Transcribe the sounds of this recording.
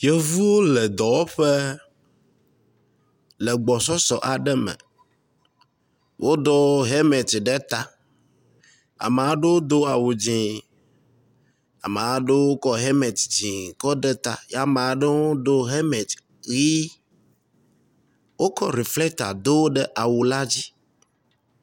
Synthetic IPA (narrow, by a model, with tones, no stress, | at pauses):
je˦vu˦wo˦le˨d̪ɔ˨wo˦ɸe˦ | lɛ˨ɡ͡bɔ˨sɔ˦sɔ˨ʔa˨ɖɛ˦mɛ̰̃˨ | wʔo˦d̪ɔ˦ɦe˦me˨t̪ɖe˦t̪a˦ | a̰˨m˨a˦ɖe˦wo˦d̪o˦a˨wo˨d͡ʑĩ˨ | a̰˨me˨a˨˦ɖe˦wo˦kɔ˦ɦe˦me˨t̪d͡ʑĩ˨kɔ˦ɖɛ˦t̪a̰˦ja˦m˨a˨˦ɖe˦wo˦d̪o˦ɦe˦me˨t̪ | ɣi˦ | wo˦kɔ˦ɾi˨flɛ˦k̚t̪a̰˨d̪o˦wɖə˦ʔa˨wu˨la˦d͡ʑi˦